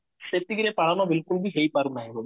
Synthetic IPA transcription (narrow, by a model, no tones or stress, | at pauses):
ʃet̪ːiɡiɾepaɽ̤anɔbilkulbiɦejpaɾunaɦibo